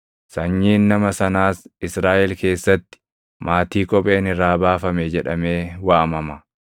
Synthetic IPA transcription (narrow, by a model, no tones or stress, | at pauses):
sɐɲːiːnːɐmɐsɐnaːsɪsɾaːʔɛlke̞ːsːɐt̪ːɪ̥ | mʔaːt̪iːkʼɔpʼe̞ːnɪrːaːbaːfɐmɛd͡ʒɛᶑɐme̞ːwaɐmɐmɐ